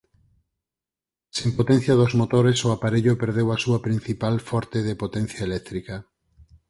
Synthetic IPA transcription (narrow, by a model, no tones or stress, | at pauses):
sempot̪ɛ̃n̟θjaðozmot̪oɾesoapaɾeʎopeɾð̞ewasuɐpɾin̟θipalfɔɾt̪eðepot̪ɛn̟θjaelɛk̚t̪ɾika